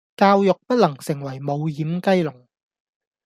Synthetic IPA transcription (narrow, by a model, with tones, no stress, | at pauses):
kaː˧wjʊ˨k̚pɐ˥t̚lɐ˨˩ŋsɪ˨˩ŋwɐ˨˩jmo˨˧wjiː˨˥mkɐ˥jlʊ˨˩ŋ